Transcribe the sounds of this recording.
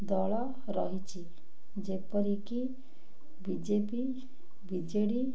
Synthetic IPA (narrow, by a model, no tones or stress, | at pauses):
d̪ɔɭɔ | ɾɔɦit͡ʃʰi | d͡ʒepɔɾiki | bid͡ʒepi | bid͡ʒeɽi